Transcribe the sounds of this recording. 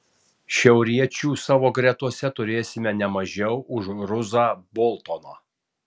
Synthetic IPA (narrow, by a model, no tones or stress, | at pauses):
ʃʲɛʊɾʲiɛt͡ʃʲuːsɑːʋoːɡɾʲɛt̪uɔsʲɛt̪ʊɾʲeːsʲɪmʲɛnʲɛmɐʒʲɛʊʔʊʃɾʊzaːbɔːlˠt̪oːno̰ː